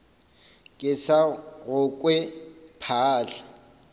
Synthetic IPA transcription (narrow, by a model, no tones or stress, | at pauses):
kʼɪsaɣʊkʼwɛpʰaːɬḁ